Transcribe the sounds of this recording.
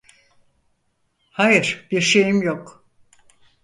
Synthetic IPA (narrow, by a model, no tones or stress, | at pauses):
hajɯɾ̥b̥iɾʃe̞jimjok